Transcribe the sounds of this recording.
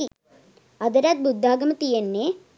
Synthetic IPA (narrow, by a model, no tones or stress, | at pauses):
ɐd̪ɐɾɐt̪̚bud̪ʱːaːɡɐmɐt̪ijɐnːeː